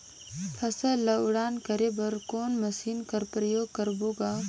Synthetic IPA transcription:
pʰɐsəlɐʊɽaːnkɐɾebɐɾkoːnmɐsiːnkɐɾpɾəjoːɡkɐɾboːɡaː

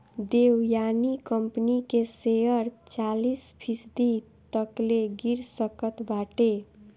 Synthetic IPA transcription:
ɖewjanikəmpnikesejəɾt͡ʃalispʰisd̪i | t̪ʌkleɡiɾsʌkət̪baʈe

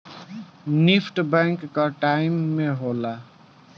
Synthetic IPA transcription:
nipʰʈbɛ̃ŋkːaʈaɪmːeɦola

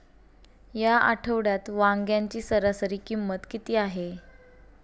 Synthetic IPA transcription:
jaʔaʈʰəʋɽjat̪ʋãŋɡjaɲt͡ɕiːsəɾasəɾiːkimːət̪kit̪iːaɦe

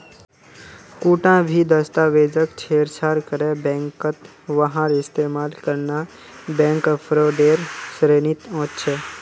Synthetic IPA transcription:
kuʈãbʱid̪əst̪aʋed͡ʒəkt͡ʃʰeɾsʰaɾkəɾebɛ̃ŋkət̪ | ʋəɦãɾɪst̪emalkəɾna | bɛ̃ŋkpʰɾoɖeɾsɾenit̪õtt͡ʃʰe

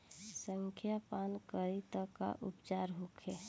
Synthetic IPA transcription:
səŋkʰjapankəɾit̪əka̰ʔṵpt͡ʃaɾɦukʰe

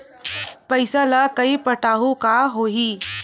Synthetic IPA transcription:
pəjsalakəipəʈaɦukaɦoɦiː

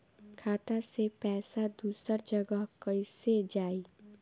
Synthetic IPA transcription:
kʰaːt̪asepɛːsad̪uːsəɾd͡ʒəɡəɦkəɪsed͡ʒaːiː

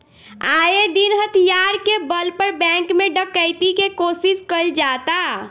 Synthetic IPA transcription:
ajed̪inɦət̪ʰijaɾkebəlpəɾbɛ̃ŋkmeɖəkːəɪt̪ikekosiskəld͡ʒat̪a

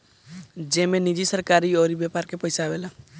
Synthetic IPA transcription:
d͡ʒemenid͡ʒisəɾkaɾioɾibjepaɾkepəjsabela

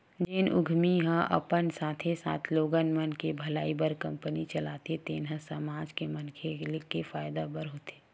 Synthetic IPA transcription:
d͡ʒeːnʊ̰ɡʱmiɦə̃ʔə̰pənsaːt̪ʰesa̰ːt̪ʰloːɡənmənkebʱɐlaːibəɾkɐ̃mpənit͡ʃɐlaːt̪et̪eːnɦə̃səmaːd͡ʒkemənkʰelɪkefaːjd̪abəɾɦoːt̪e̥ː

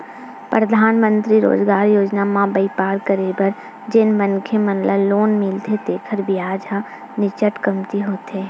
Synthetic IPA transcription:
pɾəd̪ʱaːnmə̃nt̪ɾiɾo̰ːd͡ʒɡaːɾjoːd͡ʒnamãbəɪpaːɾkəɾebəɾ | d͡ʒɪnmənkʰemənləːoːnmɪlt̪ʰet̪eːkʰəɾbiaːd͡ʒa | nɪt͡ʃəʈkəmt̪iɦoːt̪e

